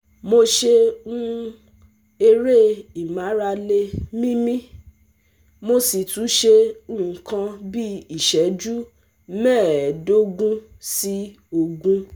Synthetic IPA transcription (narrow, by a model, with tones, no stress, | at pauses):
mo˧ʃe˧ũ˦ | e˧ɾe˦˨i˨mã˨˦ɾa˧le˧mĩ˦mĩ˦ | mo˧si˨tũ˨˦ʃe˧ũ˦˨kã˧bi˦i˦˨ʃɛ˨˦d͡ʒu˦ | mɛ̃ː˦˨do˦ɡũ˦ | si˦ | o˧ɡũ˦